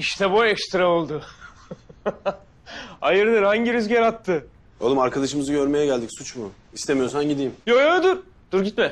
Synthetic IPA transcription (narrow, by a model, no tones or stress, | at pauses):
iʃt̪ʰɛbojɛkst̪ɾaolˠd̪ʊ | ajɯɾd̪ɯɾhaɲɟiɾyzɟeɾat̪ʰːɯ | olˠumaɾkʰad̪aʃɯmɯzɯɟø̞ɾme̞jɛɟælʲd̪icsut͡ʃmʊist̪e̞mijo̞sanɟid̪iːmjojod̪uɾ | d̪̥uɾɟit̪mɛ